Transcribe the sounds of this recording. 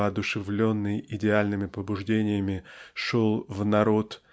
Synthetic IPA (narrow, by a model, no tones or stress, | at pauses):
əɐd̪ʊʂɨvlʲo̞nːɨjʔɪdʲɪalʲnɨmʲɪpəbʊʐdʲenʲɪjəmʲɪʂolˠvnɐɾo̞t̪